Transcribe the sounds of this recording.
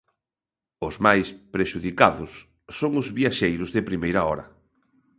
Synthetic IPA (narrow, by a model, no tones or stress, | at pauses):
ʊzmajspɾeʃuðikaðʊsː | oŋʊzβiaʃejɾʊzðɪpɾimejɾɐɔɾɐ̰